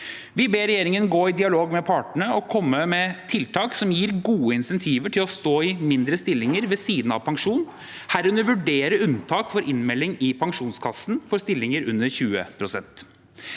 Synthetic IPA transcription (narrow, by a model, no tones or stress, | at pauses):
ʋɪbeːɾɛjeːɾɪŋənɡoːɪd̪ɪɑloːɡmɛpʰɑːʈɳəɔkʰɔmːəmɛt̪ʰɪlt̪ʰɑːksɔmjiːɾɡuːəɪnsɛnt̪ʰiːʋəʈʰɪlɔst̪oːɪmɪnd̪ɾəst̪ɪlːɪŋəɾʋɛsiːd̪n̩ɑ̰ʋpʰɑŋʂuːn | hæɾʉnəɾʋʉɖeːɾəʉnt̪ʰɑːkfɔɾʔɪnmɛlːɪŋɪpʰɑŋʂuːnskʰɑsːn̩fɔɾst̪ɪlːɪŋəɾʉnːəɾçʉːə̰pʰɾʊsɛnt̪